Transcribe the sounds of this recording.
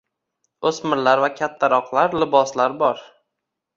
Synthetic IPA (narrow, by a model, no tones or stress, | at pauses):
ɵsmɪɾlaɾvakʲʰat̪ʰːaɾɒqlˠaɾlɪbɒslaɾbɒɾ